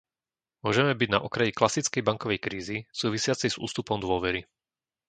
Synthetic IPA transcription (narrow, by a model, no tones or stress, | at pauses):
mʊɔʒɛmɛbiɟna̰ʔɔkɾajiklasit͡skɛjbaŋkɔʋɛjkɾiːzisuːʋisɪat͡sɛz̥ṵːst̪upɔmd̪ʊɔʋɛɾi